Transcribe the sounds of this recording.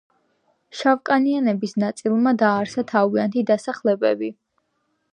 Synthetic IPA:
ʃavkʼanianɛbisnat̪sʼilˠmad̪aːɾsat̪ʰaviant̪ʰid̪asaχlɛbɛbi

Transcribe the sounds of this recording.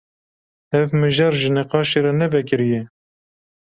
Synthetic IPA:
ɛvmɨʒɑɾʒɨnɛqɑːʃeɾɑnɛvɛkɨɾijɛ

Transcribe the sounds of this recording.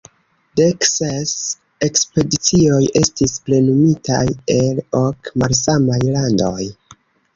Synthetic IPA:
dekses | ekspe̞dit͡sio̞je̞stisple̞numitʰa̰je̞lokmalsamajlando̞̰j

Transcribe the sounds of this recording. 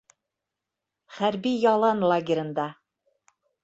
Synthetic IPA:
χæɾbijɑlˠɑnlˠaɡʲɪɾʲɤ̆nd̪ɑ

